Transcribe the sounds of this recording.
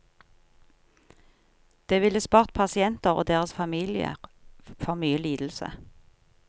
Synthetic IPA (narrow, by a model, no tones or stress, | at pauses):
d̪̥eːʋɪləspɑːʁt̪̚pʰɑsɪɛnt̪əʁo̰ːd̪eːʁəsfɑmiːlɪə̰ʁfɔʁmyːəliːd̪l̩sə̰